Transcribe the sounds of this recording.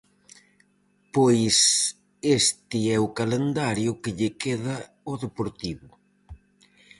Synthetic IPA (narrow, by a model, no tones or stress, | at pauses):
pojs | est̪ɪɛʊkalend̪aɾjʊkɪʎɪkeðɐ | oðepoɾt̪iβʊ